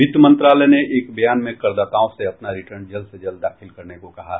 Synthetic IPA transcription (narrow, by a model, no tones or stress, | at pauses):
ɪt̪əmə̃nt̪ɾaːləneʔeːkbəjaːnmẽkːɐɾd̪aːt̪aːõseɐpnaɾɪʈəɾnd͡ʒɐlsed͡ʒɐld̪aːxʰɪlkɐɾnekokɐɦa